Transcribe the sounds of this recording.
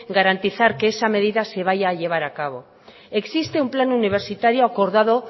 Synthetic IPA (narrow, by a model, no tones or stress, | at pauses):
ɡaɾant̪iθaɾke̞esame̞ð̞iðase̞β̞aʝaːʎe̞β̞aɾakaβ̞o̞ | eksist̪e̞umplanuniβ̞e̞ɾsit̪aɾjoako̞ɾðað̞o̞